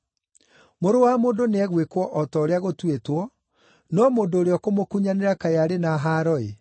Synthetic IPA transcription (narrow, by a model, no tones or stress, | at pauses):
moɾowamoːndoneɛɣwekwɔʔɔtɔoɾeaɣotwetwɔ | nɔmoːndoːɾeɔkomokuɲaneɾakajaɾenaɦaɾɔe